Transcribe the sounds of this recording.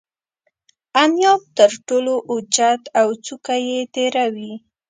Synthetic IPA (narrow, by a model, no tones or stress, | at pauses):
anjɑb̚t̪əɾʈoloʔʊd͡ʒat̪awt͡sukajet̪eɾawi